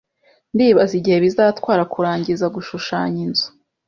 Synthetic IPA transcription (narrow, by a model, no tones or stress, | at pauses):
ndiːβaziɟihe̞βizaːtkwaːɾakuɾaːɲɟizaɡuʃuʃaːɲizḁ